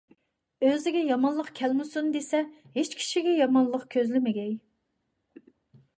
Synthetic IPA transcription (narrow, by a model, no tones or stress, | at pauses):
øzɪɡʲɛjɑmɑnlˠəqkʲʰɛlmɪsund̪esɛhet͡ʃkʲʰi̥ʃiɡʲɛjɑmɑnlˠəqkʲʰøzlɪmɪɡʲɛj